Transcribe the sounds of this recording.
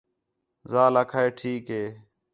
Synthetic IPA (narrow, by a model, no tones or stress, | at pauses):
zaːlaːkʰaːeːʈʰiːkɦeː